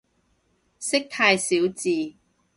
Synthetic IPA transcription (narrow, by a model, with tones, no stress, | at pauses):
sɪ˥k̚t̪ʰaː˧jsiː˨˥wt͡siː˨